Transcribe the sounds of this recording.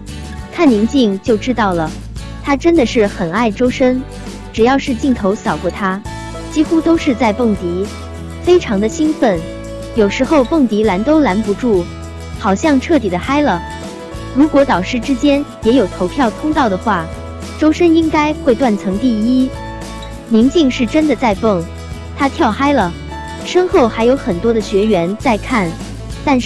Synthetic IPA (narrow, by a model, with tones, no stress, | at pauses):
k̪ʰa˥˩nli˧˥ŋt͡ɕi˥˧ŋt͡ɕjo˥˩ʊʈ͡ʂɻ̩˥t̪ɑ˥˩ʊlə˩ | t̪ʰa˥ʈ͡ʂə˥nd̪ə˨ʂɻ̩˥˩xə˨˩na˥˩ɪʈ͡ʂo˥ʊʂə˥n | ʈ͡ʂɻ̩˨˩jɑ˥˧ʊʂɻ̩˥˧t͡ɕi˥˩ŋt̪ʰo˧˥ʊsɑ˨˩ʊkwɔ˥˩t̪ʰa˥ | t͡ɕi˥xu˥t̪o˥ʊʂɻ̩˥˧t͡sa˥˧ɪpɤ˥˩ŋt̪i˧˥ | fe˥ɪʈ͡ʂʰɑ˧˥ŋd̪ə˧ɕi˥nfə˥˩n | jo˨˩ʊʂɻ̩˧˥xo˥˧ʊpɤ˥˩ŋt̪i˧˥la˧˥nt̪o˥ʊla˧˥npu˧˥ʈ͡ʂu˥˩ | xɑ˨˩ʊɕjɑ˥˧ŋʈ͡ʂʰɤ˥˩t̪i˨˩d̪ə˦xa˥ɪlə˨˩ | ɻu˧˥kwɔ˧˥t̪ɑ˨˩ʊʂɻ̩˥˩˧ʈ͡ʂɻ̩˥t͡ɕjɛ˥njɛ˧˥jo˨˩ʊt̪ʰo˧˥ʊpʰjɑ˥˩ʊt̪ʰʊ˥ŋt̪ɑ˥˩ʊd̪ə˩xwa˥˩ | ʈ͡ʂo˥ʊʂə˥ni˥ŋka˥ɪxwe˥˧ɪt̪wa˥˩nt͡sʰɤ˧˥ŋt̪i˥˩i˥ | mi˧˥ŋt͡ɕi˥˧ŋʂɻ̩˥˩ʈ͡ʂə˥nd̪ə˨t͡sa˥˧ɪfɤ˥˩ŋ | t̪ʰa˥t̪ʰjɑ˥˩ʊxa˥ɪlə˩ | ʂə˥nxo˥˩ʊxa˧˥ɪjo˧˥ʊxə˨˩nt̪wɔ˥d̪ə˨ɕɥɛ˧˥ɥɛ˧˥nt͡sa˥˧ɪkʰa˥˩n | t̪a˥˧n˥˩